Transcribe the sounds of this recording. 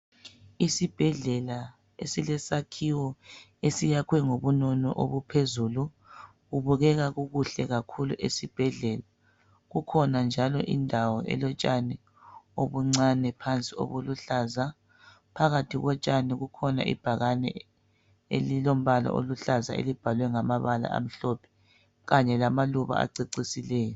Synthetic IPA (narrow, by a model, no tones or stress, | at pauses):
isib̥ʱɛɮɛla | esilɛsakʰiwɔ | esijakʰwɛŋoβunɔnɔ̰ʔoβupʰezulu | ɣuβuɣɛɣaɣuɣuɬɛɣakʰuluʔesib̥ʱɛɮɛla | ɣukʰɔnand͡ʒʱalɔ̰ʔḭndʱawɔʔɛ̰lɔt͡ʃʼanɛ | oβuŋ͡ǀanɛpʰant͡sʼio̰βuluɬaːza | pʰaɣatʰiɣɔt͡ʃʼaniɣukʰɔna̰ʔḭb̥ʱaɣanɛ̰ | ḛlilom̩βalɔ̰ʔo̰luɬaza̰ḛlib̥ʱalwɛŋamaβala̰ʔa̰m̩ɬɔpʰɛ̥ | ɣaɲɛlamaluβa̰a̰ǀiǀisilɛːjɔ